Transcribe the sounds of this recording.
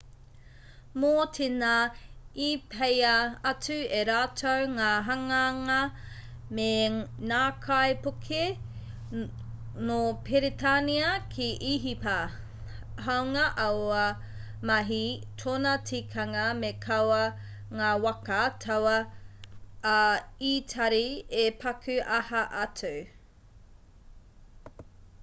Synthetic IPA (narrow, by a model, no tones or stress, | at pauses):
moːtʰenaipʰejɐɐt͡sʉeɾaːtʰowŋaːɦɐŋɐŋɐ | menaːkʰɐjpokʰe | nopʰeɾetʰaniɐkʰiʔiɦipɐ | ɦɐwŋɐʔɐwɐ | mɐɦitʰonɐtʰikʰɐŋɐmekʰɐwɐ | ŋaːwɐkɐtʰɐwɐ | itʰɐɾiepʰɐkʰʉʔɐhɐʔɐtʰu